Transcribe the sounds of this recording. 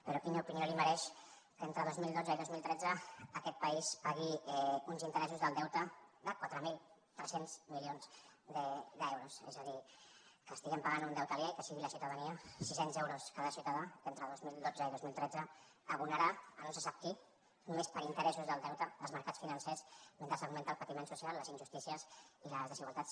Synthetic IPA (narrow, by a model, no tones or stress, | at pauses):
pəɾɔkiɲaupinijoliməɾɛʃ | kəent̪ɾəð̞ozmilˠd̪od͡zəiðozmilˠt̪ɾɛd͡zəːkɛt̪̚paispaɣiɛunzint̪əɾɛsuzðəlˠd̪ɛwt̪əðəkwat̪ɾəmilˠ | t̪ɾɛsenz̥milionzd̪əd̪əɛwɾusɛ̰zəðikəst̪iɣəmpaɣanund̪ɛwt̪əljaikəsiɣiləsiwt̪aðəniəsisenzewɾuskaðəsiuwt̪aðaent̪ɾəðozmilˠd̪od͡zəiðozmilˠt̪ɾɛd͡zəː | βunəɾaənõnsəsap̚ki | numespəɾint̪əɾɛsuzðəlˠd̪ɛwt̪əəlˠzməɾkat͡sfinənsɛsment̪əlsəɣment̪əlˠpət̪imẽnsusialˠːəzinʲʒust̪isiəziləzðəziɣwalˠt̪at͡ss